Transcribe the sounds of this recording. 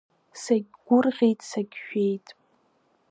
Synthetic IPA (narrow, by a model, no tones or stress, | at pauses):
saɡʲɡʷʊrʁʲejtʼsaɡʲʃᶣejtʼ